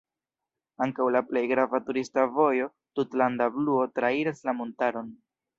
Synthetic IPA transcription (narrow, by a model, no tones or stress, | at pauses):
aŋkawlaple̞jɡɾavatuɾistavo̞jo̞ | tutlandabluo̞tɾaiɾaslamontaɾo̞n